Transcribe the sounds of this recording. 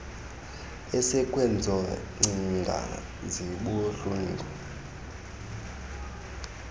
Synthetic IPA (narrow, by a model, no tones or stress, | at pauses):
ɛsɛkʼwɛnd͡zʱɔŋ͡ǀiŋɡʱa̰ | ziɓuɬuŋɡʱɔ